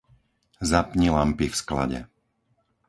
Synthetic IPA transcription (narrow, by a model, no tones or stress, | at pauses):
zapɲilampifskla̰ɟɛ̰